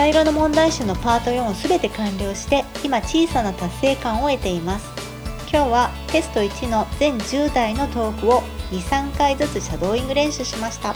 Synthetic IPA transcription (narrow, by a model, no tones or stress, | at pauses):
saiɾo̞nomõ̞nd̪aiɕɯno̞paːt̪o̞jõ̞ɰ̃osɨbe̞t̪e̞kãnɾʲo̞ːɕi̥t̪e̞ | imat͡ɕiːsanat̪asːe̞ːkãɰ̃o̞e̞t̪e̞imasɨ̥ | kʲo̞ːβa | t̪e̞sɨ̥t̪o̞it͡ɕino̞zẽ̞ɲ̟d͡ʑɨːd̪aino̞t̪o̞ːkɯ̟o̞ɲ̟ʲisãŋkaizɨt͡sɨɕad̪o̞ːĩŋɡɯ̟ɾẽ̞ɕɨɕimaɕi̥t̪a